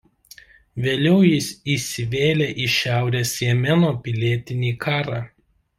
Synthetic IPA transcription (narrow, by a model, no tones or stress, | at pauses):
ʋʲeːlʲɛʊjɪsiːsʲɪʋʲeːlʲeːʔiʃʲæˑʊɾʲeːsʲjɛmʲɛnoːpʲɪlʲiɛt̪ʲɪnʲiːkʰɑːɾɑː